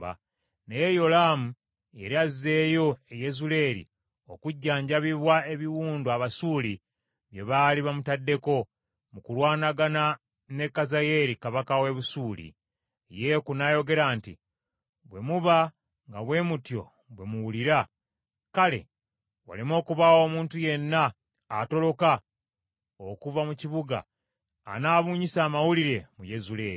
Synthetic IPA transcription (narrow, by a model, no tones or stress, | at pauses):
a̰ | nejejo̞laːmu | e̞ɾiazːe̞ːjo̞ejezule̞ɾḭ | o̞̰kuɟːaːɲɟaβiβwae̞βiwuːnduaβasuːli | βje̞βaːliβamutadːe̞ko̞ | mukulwaːnaɡana | ne̞kːazaje̞ɾikaβakawe̞βusuːlḭ | je̞kunajo̞ɡe̞ɾaːntḭ | βwe̞muβa | ŋɡaβwe̞mutjo̞̰ | βwe̞muwuliɾa | kale̞̰ | wa̰limo̞ːkuβawo̞ːmuːntuje̞nːaː | to̞lo̞ka | okuvamuciβuɡa̰ː | naːβuːɲisaːmawuliɾe̞muje̞zuleːɾi